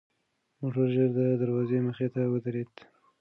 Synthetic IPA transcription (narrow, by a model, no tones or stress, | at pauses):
moʈəɾʒəɾd̪əd̪aɾwɑzeməxet̪awəd̪aɾed̪